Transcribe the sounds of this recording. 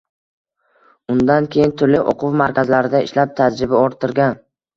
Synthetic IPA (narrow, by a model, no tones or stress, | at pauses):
ʊnd̪ankʲʰe̞jɪnt̪ʰʊɾlɪʔo̰qʰʊwmaɾkʲʰazlaɾɪd̪aɪ̰ʃlap̚t̪ʰad͡ʒɾɪbaɒɾt̪ʰːɪɾɡʲan